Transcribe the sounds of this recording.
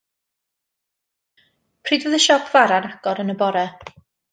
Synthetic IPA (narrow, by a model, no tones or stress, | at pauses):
pʰr̥iːdvəðəʃɔkʰv̥aɾanaɡ̥ɔɾənəbɔɾɛ